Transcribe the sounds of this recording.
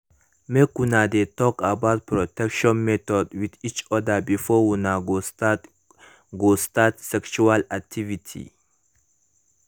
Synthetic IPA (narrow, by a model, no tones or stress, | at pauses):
mekunad̪et̪ɔkabat̪̚pɾɔtɛkʃɔ̃nmɛt̪ɔdwid̪it͡ʃɔd̪abifɔwunaɡ | ɡost̪at̪sɛkt͡ʃualak̚tʰivitʰḭ